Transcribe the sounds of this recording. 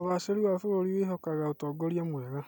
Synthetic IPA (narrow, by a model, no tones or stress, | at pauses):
ɔβaseɾiwafooɾiweɦokaɣaotɔɡɔɾjamwɛɣa